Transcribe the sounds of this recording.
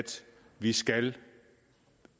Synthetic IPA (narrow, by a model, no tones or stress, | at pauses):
d̥ʋisɡ̥æl